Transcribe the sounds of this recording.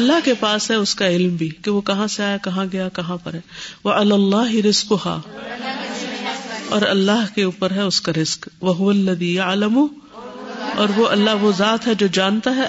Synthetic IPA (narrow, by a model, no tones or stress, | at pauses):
ɐlːaɦkepaːsɦɛʊskaɪlmbʱiːkeʋokɐɦãseaːjakɐɦãɡɐjakɐɦãpɐɾɦɛːʋɐʔɪlaːlːaːɦɪɾɪzkʊɦa̰ː | ɔːɾɐlːaɦkeuːpəɾɦɛʊskaɾɪzkʋɐɦʊʋɐlːɐðiːjɐʕlɐmʊ | ɔːɾʋoʔɐlːaɦʋozaːt̪ɦɛd͡ʒoːd͡ʒaːnt̪aɦɛ